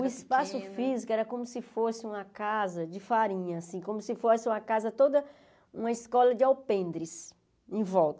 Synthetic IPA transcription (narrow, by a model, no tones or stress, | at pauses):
ʊɪspasʊfizikʊɛɾɐkõmʊsɪfosɪũmɐkazɐd͡ʒɪfaɾĩɲɐasĩkõmʊsɪfosɪũmɐkazɐt̪od̪ɐ | ũmɐɪskɔlɐd͡ʒɪawpẽnd̪ɾɪs | ẽvɔwt̪ɐ